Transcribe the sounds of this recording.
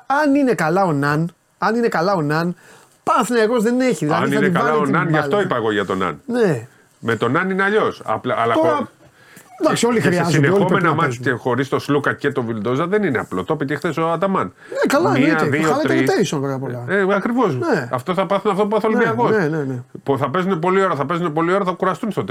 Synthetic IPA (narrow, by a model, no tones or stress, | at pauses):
ɐnine̞kɐlɐo̞nɐn | ɐnine̞kɐlɐo̞nɐn | pɐθneeɣo̞zðeneçiðilɐðɐiniɐnekɐlɐonɐnʝɐft̪o̞ipɐeɣo̞ʝɐt̪o̞nɐ̰nne | met̪o̞nɐnineɐʎo̞sɐ̰plɐlɐ | d̪aksioliɾiɐzinexomenɐmɐiexo̞ɾist̪o̞slukɐcet̪o̞vild̪o̞zɐðenineɐ̰plo̞t̪opit̪ixθesoɐt̪ɐmɐn | kɐlɐmiɐðiolɐɾit̪eɾisɐnpeɐpolɐeɐkɾivo̞sneɐft̪o̞θɐpɐθuneɐft̪op̬ɐθolniɐɣosenenepuθɐpe̞zunepo̞lio̞ɾɐθɐpe̞zunepo̞lio̞ɾɐθɐkuɾɐst̪unst̪ot̪e